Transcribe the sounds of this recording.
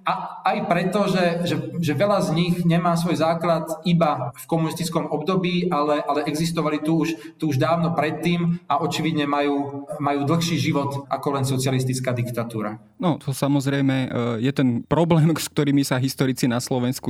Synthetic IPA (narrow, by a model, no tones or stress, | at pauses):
aajpɾɛt̪ɔʒɛʒɛʒɛʋɛʎazɲiɣɲɛmaːsʋɔjzaːklat̪ibafkɔmunist̪it͡skɔmɔbd̪ɔbiːʔalɛʔalɛʔɛɡzist̪ɔʋalit̪uːʃt̪uːʒd̪aːʋnɔpɾɛt̪ːiːmaʔɔt͡ʃiʋid̪ɲɛmajuːmajuːd̪l̩ˠxʃiːʒiʋɔt̪ʔa̰kɔlɛnsɔt͡sɪalist̪it͡skaːd̪ikt̪at̪uːɾa̰ | nɔt̪ɔsamɔzɾɛjmɛjɛt̪ɛnpɾɔblɛːmsk̚t̪ɔɾiːmisaɦist̪ɔɾit͡sinaslɔʋɛnsku